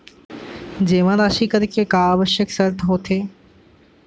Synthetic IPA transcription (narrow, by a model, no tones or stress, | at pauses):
d͡ʑeːʋãd̪aːʃiːkəɾikʰekaːbəʃəksəɾt̪ʰɦoːt̪ʰeː